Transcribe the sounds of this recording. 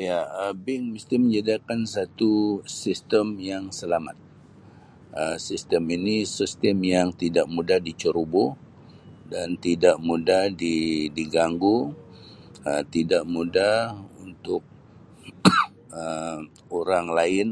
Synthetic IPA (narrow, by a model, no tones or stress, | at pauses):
jaəbɪŋməst̪iməɲd͡ʒadiakansat̪usist̪əmjaŋsəlama̰t̪̚ | əsist̪əminisist̪əmjaŋt̪idaʔmudahdit͡ʃəɾubo | dant̪idaʔmudahdidiɡaŋɡu | ət̪idaʔmudahhunt̪ʊk̚ | ə | oɾaŋlaɪn